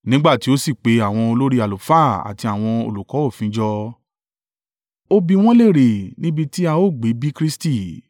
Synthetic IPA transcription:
nĩ˦ɡ͡ba˦˨ti˨˦o˦si˦˨k͡pe˨˦a˦˨w̃ɔ̃˧o˧lo˦ɾi˦a˨lo˨˦fa˦˨a̰˨ti˧a˦˨w̃ɔ̃˧o̰˨lu˨kɔ˨˦o˦˨fĩ˨˦d͡ʒɔ˧ | o˦bi˧w̃ɔ̃˦le˦˨ɾe˨nĩ˦bi˧ti˦a˧o˦˨ɡ͡be˨˦bi˦kɾi˦sti˦˨

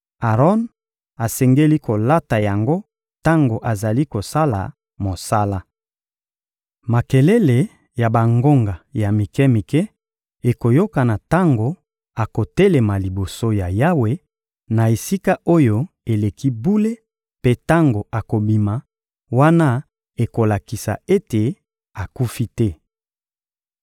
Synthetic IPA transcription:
a˨ʁɔ˦n | a˨sɛ˨ŋɡe˦li˦ko˨la˦ta˨ja˨ŋɡo˦ | ta˦ŋɡo˨ʔa˨za˨li˦ko˨sa˦la̰˨ | mo˨sa˦la˦ | ma˨ke˨le˦le˨ | ja˨ba˨ŋɡo˦ŋɡa˨ja˨mi˨kɛ˦mi˨kɛ˦ | e˨ko˨jo˦ka˨na˨ta˦ŋɡo˨ | a˨ko˨te˦le˨ma˨li˨bo˨so˦ja˨ja˦we˦ | na˨e˨si˦ka˦o˦jo˦ | e˨le˨ki˦bu˦le˦ | pe˦ta˦ŋɡo˨a˨ko˨bi˨ma˨ | wa˦na˦ | e˨ko˨la˨ki˨sa̰˨e˦te˨ | a˨ku˦fi˦tɛ˦

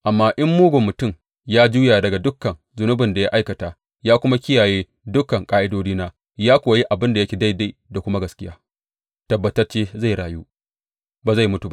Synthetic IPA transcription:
ʔa˨mːaː˦ʔɪ˦mːuː˦ɡʷo˨mːʊ˨tʊ˦˨m | jaː˦d͡ʒuː˦jaː˨dɐ˨ɡa˨dʊ˦kːɐ˨n | zʊ˨nʊ˦bɪ˨nda˨ja˦ʔa˦jkɐ˨taː˨ | jaː˦kʷʊ˦ma˦kʲɪ˦jaː˨jeː˦ | dʊ˦kːɐ˨ŋkʼaː˦ʔɪ˦doː˦d͡ʒiː˦naː˦ | jaː˦kʷoː˨ji˦ʔa˨bɪ˦nda˨jɐ˦kʲi˨da˦˨jda˦˨da˨kʷʊ˦ma˦ɡɐ˨skʲɪ˦jaː˦ | tɐ˨bːɐ˨tɐ˦rt͡ʃeː˦za˦˨ɽaː˨juː˦ | baː˨za˦˨jmʊ˦tu˨ba˦˨

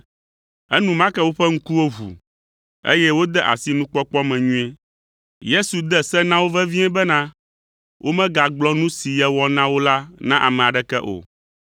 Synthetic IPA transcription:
ɛ˦nũ˨mã˦kɛ˦wo˦ɸɛ˦ŋ̩˦ku˦wo˦ɦṵ˨ | ḛ˦jɛ˦wo˦d̪ɛ˦ʔa̰˨si˦nũ˦k͡pɔ˦k͡pɔ˦mɛ̃˨ɲũ˦ɛ˦ | je˦su˨d̪ɛ˦sɛ˦nã˦wo˦vɛ˦vĩ˦ɛ̃˦bɛ˦nã˦ | wʔo˦mɛ̃˦ɡa˨ɡ͡blɔ˦nũ˦si˨jɛ˦wɔ˦nã˦wo˦la˦nã˦ʔa̰˨mɛ̃˨a˨ɖɛ˦kɛ˦ʔo̰˨

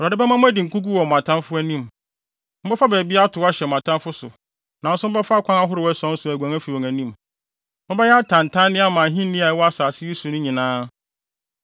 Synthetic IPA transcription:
ɾa˨dɪ˦bɛ˦mã˦mʊ̃˦æ˦dɪ˨ŋ̩˨kʰu˦ɡu˦wɔ˨ã˨tʰã˦nfʊ˦æ˦nĩ˦˨m | m̩˦bɛ˦fa˦bæ˨bi˦a˦tʰʊ˨˦a˦ɕɛ˨mã˨tʰã˦nfʊ˦sʊ̰˨ | nã˨n̩˦sʊ˦bɛ˦fa˦˨kʷʰã˦ŋa˦ɦʊ˦ɾɪ˨wæ˦sɔ̃˦n̩˦sʊ˨æ˨ɡʷæ̃˨ŋæ˦fi˨wɔ˨ŋæ̃˨nĩ˦˨m | mʊ̃˦bɛ˦jɛ˦a˦tʰã˨n˨tʰã˦nnɪ̃˦a˦mã˨ɦĩ˦n˦nĩ˦a˨˦wɔ˦a˦saː˨sɪ˦ji˦sũ˨nʊ̃˦ɲĩ˨nãː˦

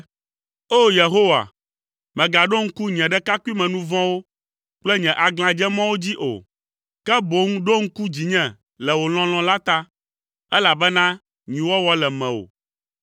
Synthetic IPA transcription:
o˦je˨ɦo˦wa̰˨ | mɛ̃˨ɡa˨ɖo˦ŋ̩˦ku˦ɲɛ̃˨ɖɛ˦ka˦ku˦i˦mɛ̃˨nũ˦vɔ̃˦wo˦ | k͡plɛ˦ɲɛ̃˨ʔa˨ɡl̃ã˨d͡ʒɛ˦mã˦wo˦d͡ʑi˦ʔo̰˨ | kɛ˦bo˨ŋu˦ɖo˦ŋ̩˦ku˦d͡ʑi˨ɲɛ̃˦˨ | lɛ˨wo˨l̃ɔ̃˦l̃ɔ̃˨la˦t̪a˦ | ɛ˦la˨bɛ˦nã˦ | ɲĩ˨wɔ˦wɔ˦lɛ˨mɛ̃˨o̰˨

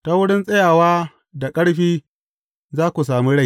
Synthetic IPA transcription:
ta˦wʊ˦ɽɪ˦nsʼɐ˦jaː˨waː˦ | da˨kʼɐ˦ɽɸiː˦ | zaː˦kʷu˨s̬aː˨mi˦ɽa˦j

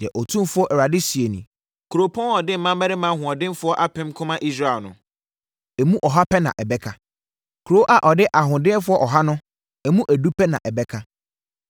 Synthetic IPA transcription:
d̥i˨ɛ˨ʔɔ˨tʰũ˦m˦fʊ˦ɔ˦ʔɛ˨wɾa˨dɪ˦si˨e˨nḭ̃˨ | kʰu˨ɾo˨pʰɔ̃˦n˦ɔ˨dɪ˦m̩˨mːã˦mbɛ˦ɾɪ˦mã˦ɦʊ̃˨ɔ˨dɪ̃˦n˦fʊ˦ɔ˦ʔa˦pʰɪ̃˦mkʰʊ̃˦mã˦ʔi˦s̬ɾa˦ɛ˨lnʊ̃˨ | ɛ˨mũ˦ʔɔ˨ɦa˦pʰɛ˦nã̰˨ʔɛ˨bɛ˦kʰa˨ | kʰɾo˦ʔa˨ʔɔ˨dɪ˦ʔa˨ɦʊ̃˨dɪ̃˦fʊ˦ɔ˦ʔɔ˨ɦa˦nʊ̃˦ | ɛ˨mũ˦ʔæ˨du˦pʰɛ˦nã̰˨ʔɛ˨bɛ˦kʰa˦

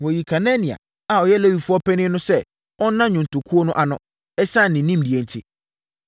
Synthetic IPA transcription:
wɔ˨ji˨kʰa˨nɛ̃˦nĩ˨a̰˨ | a˨ɔ˨jɛ˦lɛ˦wi˨fu˦ɔ˦pʰɛ˦nɪ̃˦nʊ̃˦sɛ˦ | ɔ˦nã˦ɲʊ̃˨n̩˨tʰʊ˨kʰu˦o˦nʊ̃˦ʔa˨nʊ̃˦ | ɛ˦sã˦˨nɪ̃˨˦nĩ˦m̩˨di˨e˨n̩˨tʰɪ˦

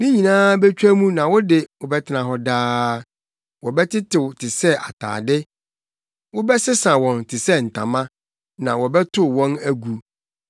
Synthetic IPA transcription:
mĩ˦ɲĩ˨nãː˦bɛ˦t͡ɕᶣæ˦mũ˦nã˨wʊ˦dɪ˨wʊ˨bɛ˦tʰɪ˨nã˨ɦɔ˦daː˦ | wɔ˨bɛ˦tʰɪ˦tʰɪ˨wʊ˨tʰɪ˨sɛ˦ʔa̰˨tʰa̰ː˨dɪ˦ | wʊ˦bɛ˦sɪ˦sã˨wɔ̃˨ntʰɪ˨sɛ˦n̩˨tʰã̰˨mã˦ | nã˨wɔ˨bɛ˦tʰʊ˦˨wɔ̃˦næ˦ɡu˨

